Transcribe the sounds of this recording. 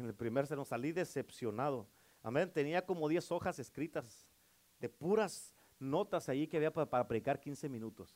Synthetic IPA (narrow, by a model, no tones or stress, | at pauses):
nelpɾimeɾsenosaliðe̞se̞psjo̞nað̞o̞ | a̰mẽnt̪e̞niako̞mo̞ðje̞so̞xase̞skɾit̪az | d̪e̞puɾas | no̞t̪asajikeaβiaapaɾapɾeðikaɾkinse̞mĩnut̪o̞s